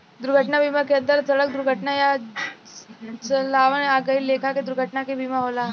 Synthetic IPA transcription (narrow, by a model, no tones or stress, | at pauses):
d̪uɾɡʱəʈɳabʱimakeənt̪əɾt͡səɭək̚d̪uɾɡʱəʈnaja | t͡səlaʋəɳaɡəilekʰaked̪uɾɡʱəʈnakebʱimaɦola